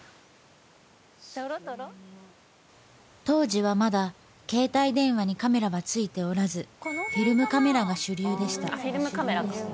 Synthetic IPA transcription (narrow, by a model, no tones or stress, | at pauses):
ɾɾ | t̪o̞ːʑiβ̞amad̪a | ke̞ːt̪aid̪ẽ̞ɰ̃βaɲ̟ikame̞ɾaβat͡sɨit̪e̞o̞ɾazɨɸʲiɾɯ̟mɯ̟kame̞ɾaɡaɕɨɾʲɯːd̪e̞ɕi̥t̪a̰iɾmɯkameɾa